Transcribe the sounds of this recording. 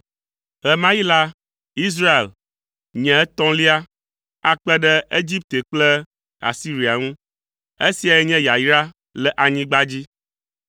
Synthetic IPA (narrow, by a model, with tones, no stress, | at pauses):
ɣɛ˨mã˦ji˦la˦ | i˦s̬ɾa˦e˨l | ɲɛ̃˨ɛ˦t̪ɔ̃˦li˦a˦ | a˨k͡pɛ˦ɖɛ˦e˦d͡ʑi˦p̚t̪e˨k͡plɛ˦ | a̰˨si˦ɾi˨a˨ŋũ˦ | e˦si˨a˨jɛ˦ɲɛ̃˦ja˨jɾa˦ | lɛ˨ʔa˨ɲĩ˦ɡ͡ba˦d͡ʑi˦